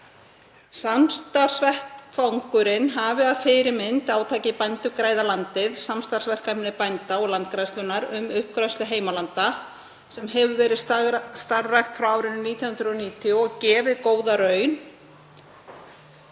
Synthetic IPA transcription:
samst̪ar̥svɛht̪fawŋkʏɾɪnɦavɪaðfɪːɾɪmɪnt̪aːwt̪ʰaːcɪpajnt̪ʏkɾaːjðalant̪ɪðsamst̪ar̥svɛr̥kanɪpajnt̪aɔɣlant̪̚kɾajst̪lʏnːaɾʏmʏhpkɾajst̪lʏɦeːjmalant̪a | sɛmɦɛvʏvɛːɾɪðsst̪aɾrajxt̪fɾawawɾɪnːniːt̪jɔnhʏnd̪ɾʏɔniːt̪ʰiuɔɣcɛːvɪðkoːwðaɾœːɥn

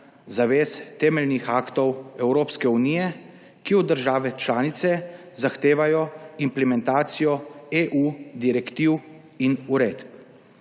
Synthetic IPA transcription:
zaʋeːst̪ɛːmɛlnixaːkt̪ɔwɛwɾoːpskɛuniːjɛ | kiɔd̪əɾʒaːʋɛt͡ʃlaːnit̪sɛ | zaxt̪eːʋajɔimplɛmɛnt̪aːt̪sijɔeʔud̪iɾɛkt̪iw | inuɾeːd̪p

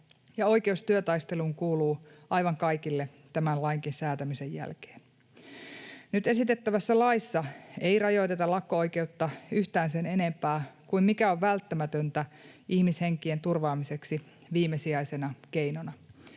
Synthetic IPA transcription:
jɑo̞jke̞ust̪yøt̪ɑjst̪e̞luŋkuːluːʔɑjʋɑŋkɑijkilːe | t̪æmænlɑiŋkinsæːt̪æmise̞jjæ̰lke̥ːn | nyt̪e̞sit̪et̪ːæʋæsːælɑisːɑeirɑjo̞jt̪et̪ɑlɑkːoojke̞ut̪ːɑyht̪æːnsene̞ne̞mpæːkuimmikæoʋʋælt̪ːæmæt̪ønt̪æ | ihmishe̞ŋkie̞nt̪urʋɑːmise̞ksi | ʋiːmesiɑisenɑkeinonɑ

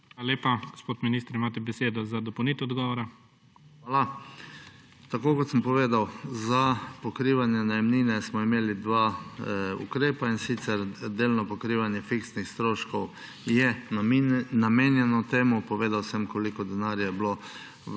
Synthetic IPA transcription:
ʋaaleːpaɡ̥ospoːt̪miniːst̪ɾimaːt̪̬ɛbɛseːd̪ɔzad̪ɔpɐwniːt̪ɛɔd̪ɡɔʋɔɾa | xaːla | t̪akoːkɔt̪səmpɔʋeːd̪awzapɔkɾiːʋanjɛnajɛmniːnɛsmɔimeːlid̪ʋaː | ṵkɾeːpainsit̪sɛɾd̪eːlnɔpɔkɾiʋanjɛfiksnixst̪ɾoːʃkɔw | jɛ | nameːnjɛnɔt̪eːmʊpɔʋeːd̪awsəmkɔlikɔd̪ɛnaːɾjajɛblo

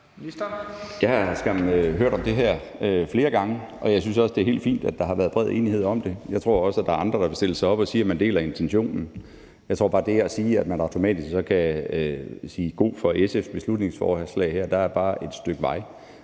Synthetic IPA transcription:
jæsɡ̥æmnøɦøɐɾ̥ɒ̽md̥e̝ɦæɐ̰ | fle̝ːɐɡ̥ɑ̈ŋəʔɒ̽jɑ̈ɪsynsɒ̽sd̥e̝æɐhe̝̰ːld̥fḭːnd̥æd̥ɑ̈hɑ̈ʋæːɐð̞ˠb̥ʁɛð̞̰ˠe̝̰ːnihe̝ð̞̰ˠɒ̽md̥e̝jɑ̈ɪt͡sʰʁo̝̰ɐ̰ɒ̽sæd̥ɑ̈ɐɑ̈nd̥ʁɐɾ̥ɑ̈ʋe̝sd̥e̝l̰əsɑ̈ɪɒ̽b̥ɒ̽siːæmænd̥e̝̰ːlɐe̝nt͡sʰenɕo̝̰ːnn̩ | jɑ̈ɪt͡sʰo̝̰b̥ɑ̈ːd̥e̝æɐæsiːæd̥mænɑ̈ʊt͡sʰo̝mɛ̰ːd̥isɡ̥sɒ̽kʰæ | siːɡ̥o̝̰ːfɒ̽esefsb̥e̝slud̥ne̝ŋsfɒ̰ːslɛ̰ɪhæɐ̰d̥ɑ̈æɐb̥ɑ̈ːʔe̝d̥sd̥øɡ̥ʋɑ̈ɪ

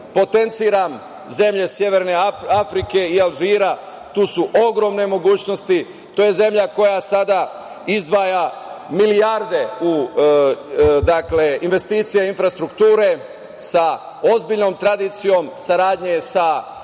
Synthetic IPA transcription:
po̞t̪e̞nt̪siːɾam | ze̞mʎe̞sje̞ʋeɾneafɾike̞ialˠʒiːɾa | t̪uːsuʔo̞ɡɾo̞mne̞mo̞ɡuːt͡ɕno̞st̪i | t̪oːje̞ze̞mʎako̞jasad̪a | izd̪ʋaːjamilijaɾd̪e̞u | d̪akle̞inʋe̞st̪iːt̪sijeinfɾast̪ɾukt̪uːɾe̞ | sa | o̞zbiʎno̞mt̪ɾad̪iːt̪sijo̞msaɾaːd̪ɲesa

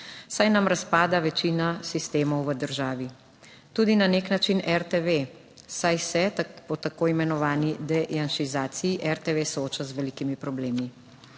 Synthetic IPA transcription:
sajnamɾaspaːd̪aʋɛt͡ʃiːnasist̪eːmɔwʋəd̪əɾʒaːʋi | t̪uːd̪inaneknat͡ʃinʔɛɾt̪eʋe | sajsɛt̪pɔt̪akoːimɛnɔʋaːnid̪ɛjanʃizaːt̪sijiʔɛɾt̪eʋeːsooːt͡ʃazʋɛlikimipɾɔbleːmi

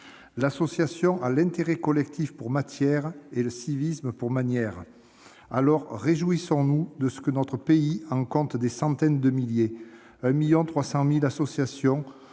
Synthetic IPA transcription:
lasɔsjasjɔ̃ʔalɛ̃t̪eʁɛkɔlɛk̚t̪ifpuʁmat̪jɛʁeləsivisməpuʁmanjɛʁ | alɔʁːeʒuisɔ̃nud̪əsə̥kənɔt̪χəpeiɑ̃kɔ̃t̪d̪esɑ̃t̪ɛnd̪əmilje | ɛ̃miljɔ̃t̪χwasɑ̃milasɔsjasjɔ̃

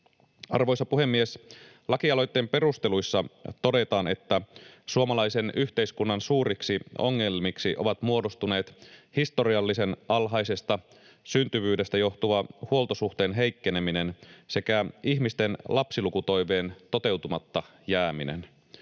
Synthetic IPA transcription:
ɑrʋo̞jsɑpuɦhe̞mːies | lɑkiɑlo̞jt̪ːe̞ːmpe̞rust̪elujsːɑt̪o̞de̞t̪ɑːne̞̰t̪ːæsuomɑlɑjse̞nyçt̪e̞iskunːɑnsuːɾiksio̞̰ŋːelmiksiʔo̞̰ʋɑt̪muo̞do̞st̪une̞ːt̪hist̪o̞ɾiɑlːise̞nʔɑlɦɑjse̞st̪ɑ | synt̪yʋyːde̞st̪æjo̞ht̪uʋɑhuo̞lt̪o̞suht̪e̞ːnɦe̞jkːe̞ne̞mine̞nse̞kæiçmist̪enlʔɑpsilukut̪o̞jʋe̞ːnt̪o̞t̪e̞wt̪umɑt̪ːɑ | jæːminḛn

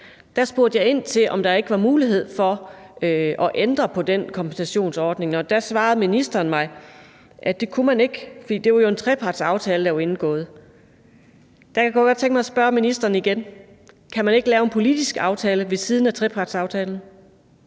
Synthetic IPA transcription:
d̥æsb̥o̝ɐd̥jɑ̈ɪe̝n̰t͡sʰe̝lʔɒ̽md̥ɑ̈e̝ɡ̥əʋɑ̈muːliɦe̝ð̞̰ˠfɒ̽ | ɒ̽ʔend̥ʁɐpʰɒ̽d̥enkʰɒ̽mpʰensæɕo̝̰ːnsɒːd̥ne̝ŋɒd̥æsʋɑ̈ːð̞̩ˠminisd̥ɐːnmɑ̈ɪ | ʔæd̥e̝kʰumæne̝ɡ̥fɒd̥ḭːd̥e̝ʋɑ̈jo̝e̝nt͡sʰʁɛpʰɑ̈ːd̥sɑ̈ʊt͡sʰɛːləd̥ɑʋe̝nn̩ɡ̥ɔ̰̽ːð̩ˠ | d̥ækʰæɡ̥ɔɡ̥ɒd̥̚t͡sʰeŋɡ̥mɑɪɒsb̥ɶɐminisd̥ɐːnəiɡ̥en | kʰæmæne̝ɡ̥lɛːʊe̝npʰo̝lid̥isɡ̥ɑ̈ʊt͡sʰɛːləʋe̝siːð̞ˠn̩æt͡sʰʁɛpʰɑ̈ːd̥sɑ̈ʊt͡sʰɛːln̩

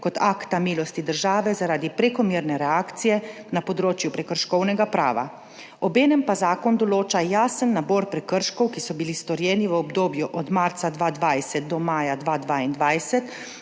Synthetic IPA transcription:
kɔt̪aːkt̪amiːlɔst̪id̪əɾʒaːʋɛzaɾaːd̪ipɾɛkɔmiːɾnɛɾɛaːkt̪sijɛnapɔd̪ɾoːt͡ʃjupɾɛkəɾʃkɔwnɛɡapɾa̰ːʋa̰ | ɔbeːnɛmpazaːkɔnd̪ɔloːt͡ʃajaːsənːabɔɾpɾɛkəɾʃkɔwkisɔbilist̪ɔɾjɛːniʋəɔbd̪oːbjuʔɔd̪maɾt̪sad̪ʋaːd̪ʋajsɛt̪̚d̪ɔmaːjad̪ʋad̪ʋaːind̪ʋajsɛt̪

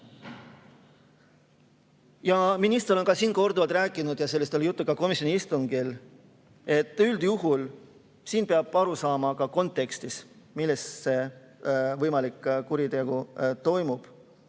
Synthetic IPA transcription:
jɑminist̪eɾo̞nkɑsiːnko̞rd̪uvɑlt̪ɾæːkˑːinud̪̥jɑse̞lːist̪eljut̪ːukɑko̞misjo̞niist̪uŋɡil | e̞t̪ːˑyld̪juɦul | siːnpeɑb̥ɑɾusɑːmɑkɑko̞nt̪ːˑe̞kst̪ismilːesse̞ | vɤjmɑlikːkuɾit̪e̞ɡut̪o̞jmub̥

